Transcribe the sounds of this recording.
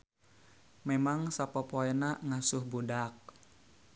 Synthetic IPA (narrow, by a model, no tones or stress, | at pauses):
memaŋsapɔpoɛnaŋasʊhbudak̚